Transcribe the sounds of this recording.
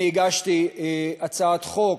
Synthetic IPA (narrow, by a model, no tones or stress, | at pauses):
iɡaʃt̪iat͡saat̪χok